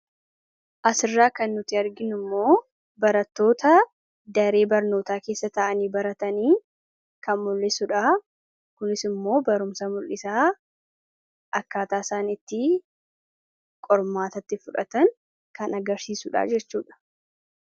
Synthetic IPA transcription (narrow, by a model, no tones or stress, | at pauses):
ʔɐsɪrːaːkɐnːʊt̪ːɪɐɾɡɪnʊmːo̞ː | bɐɾɐt̪ːo̞ːt̪ɐ | d̪ɐɾe̞ːbɐɾno̞ːt̪aːke̞ːsːɐt̪ɐʔɐniːbɐɾɐt̪ɐniː | kɐnmʊlːɪsʊᶑa | kʊnɪsɪmːo̞ːbɐɾʊmsɐmʊlʔɪsaː | ʔɐkːaːt̪aːsaːnɪt̪ːɪ | kʼɔɾmaːt̪ɐt̪ːɪfʊᶑɐ̰t̪ɐn | kɐnɐɡɐɾsiːsʊᶑa̰ːd͡ʒɛt͡ʃːuːᶑɐ̥